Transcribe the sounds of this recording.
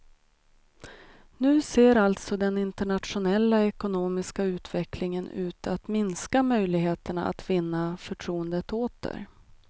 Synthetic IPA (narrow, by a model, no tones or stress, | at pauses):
nʉ̟ːseːɾalt̪sɔd̪ɛnɪnt̪əɳat̪ɧʊnɛlːaɛkʊnoːmɪskaʉ̟ːt̪ʰvɛklɪŋənʉ̟ːt̪at̪mɪnskamœjlɪɡɦeːt̪əɳa̰a̰t̪vɪnːafœʈʰɾuːənd̪ət̪ʰoːt̪ʰə̰ɾ